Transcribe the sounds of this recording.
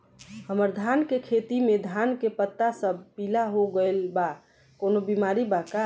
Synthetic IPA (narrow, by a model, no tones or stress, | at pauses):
həməɾd̪ʱaːnkekʰet̪imed̪ʱaːnkepət̪ːasəbpiːlaɦoɡəelba | koːnobimaɾibaka